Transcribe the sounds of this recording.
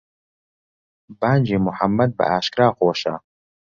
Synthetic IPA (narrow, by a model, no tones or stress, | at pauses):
baːnd͡ʒeːmʊħamːɐd̪̚bɐ̰aːʃkɾaːxoːʃa̰ː